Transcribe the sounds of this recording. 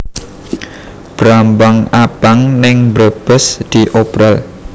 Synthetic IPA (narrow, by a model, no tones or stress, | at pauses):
b̥ɾambaŋab̥aŋnɪŋbɾəb̥əsd̪̥iʔopɾal